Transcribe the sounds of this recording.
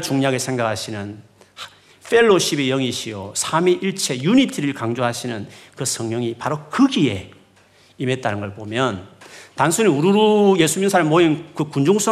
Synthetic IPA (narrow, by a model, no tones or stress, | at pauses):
t͡ɕuŋɲaɡesʰe̞ŋɡakʰaɕʰinɯn | fʰe̞ɭːoɕʰibejʌŋiɕʰiosʰamiʔiɭt͡ɕʰe̞junitʰiɾɯɭkaŋd͡ʑoɦaɕʰinɯnkɯsʰʌŋɲʌŋipaɾokɯɡie̞ | ime̞t̚t͈anɯnɡʌɭpomjʌntansʰuniuɾuɾuje̞sʰuminsʰaɾɯɭmoinkɯkund͡ʑoŋs͈ʰʌ